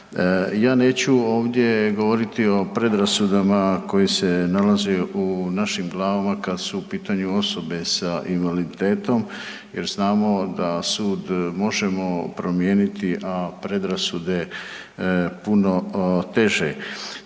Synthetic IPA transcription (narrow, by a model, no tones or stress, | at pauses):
jaːne̞ːt͡ɕuo̞ːʋd̪je̞ɡo̞ʋo̞ɾit̪io̞pɾe̞d̪ɾasud̪amako̞jisenalazeunaʃimɡlˠaːʋamakad̪suːpiːt̪aɲuo̞so̞be̞saʔimalit̪e̞ːt̪o̞m | jeɾznaːmo̞d̪asuːd̪mo̞ʒemo̞pɾo̞mje̞ːnit̪iʔapɾe̞d̪ɾasud̪e̞ | puno̞t̪e̞ʒe